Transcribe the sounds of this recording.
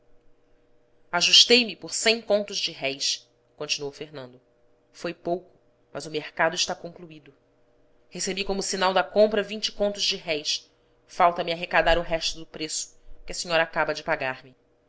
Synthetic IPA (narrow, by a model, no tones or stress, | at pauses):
aʒuʃt̪ejmɪpoɾsẽj̃kõnt̪ʊzd͡ʒɪɦɛjs | kõnt͡ʃinuowfeɦnɐ̃nd̪ʊ | fojpowkʊ̥ | mɐzʊmeɾkad̪ʊɪʃt̪akõŋkluid̪ʊ | hesebikõmʊsinawd̪ɐkõmpɾɐvĩnt͡ʃɪ̥kõnt̪ʊzd͡ʒɪɦɛjs | fawt̪ɐmiaɦekad̪aɾʊɦɛʃt̪ʊd̪ʊpɾesʊ̥kɪɐsiɲɔɾɐaːkabɐd͡ʒɪpaɡaɾmɪ